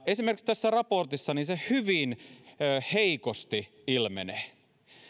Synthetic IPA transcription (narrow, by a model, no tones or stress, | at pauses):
esimerkikst̪æsːærɑport̪isːɑninsehyʋinøːheikost̪i | ilmḛne